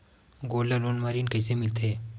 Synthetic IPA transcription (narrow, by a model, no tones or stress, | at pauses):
ɡoːlaloːnmaːɾiːnkɐisemɪlt̪ɦeː